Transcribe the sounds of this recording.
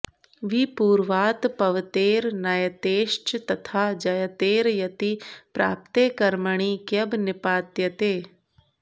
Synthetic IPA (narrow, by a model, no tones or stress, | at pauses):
ʋipuːɾʋaːt̪pɐʋt̪eːɾnɐjət̪eːʃt͡ʃt̪ɐt̪ʰaːd͡ʒɐjət̪eːɾjɐt̪ipɾa̰ːp̚t̪eːkɐɾməɽ̃ikjɐbnɪpaːt̪jɐt̪eː